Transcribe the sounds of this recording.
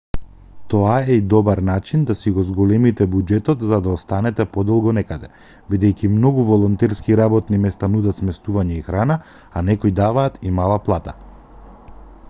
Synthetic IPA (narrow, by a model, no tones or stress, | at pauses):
t̪ɔaɛid̪ɔbaɾnat͡ʃind̪asiɡɔzɡɔlɛmit̪ɛbud͡ʒɛt̪ɔt̪zad̪aɔst̪anɛt̪ɛpɔd̪ɔlˠɡɔnɛkad̪ɛ̰ | bid̪ɛjkimnɔɡuvɔlˠɔnt̪ɛɾskiɾabɔt̪nimɛst̪anud̪at̪smɛst̪uvaɲɛixɾana | anɛkɔjd̪avaːt̪imalˠaplˠat̪a